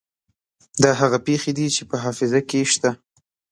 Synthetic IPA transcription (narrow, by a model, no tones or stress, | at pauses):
d̪ɑɦaɣapexed̪it͡ʃepəɦɑfɪzakeʃt̪a